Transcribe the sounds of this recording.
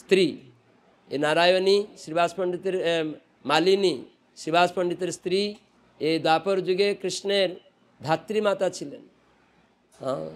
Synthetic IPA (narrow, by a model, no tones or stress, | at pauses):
st̪ɾi | enaɾajonisɾibaːspəɳɖit̪eɾ | malini | ʃɾibʱaspəɳɖit̪eɾst̪ɾi | ed̪wapɔɾd͡ʒuɡekɾiʃneɾ | d̪ʱat̪ːɾimat̪at͡ʃʰilḛn | ɦã̰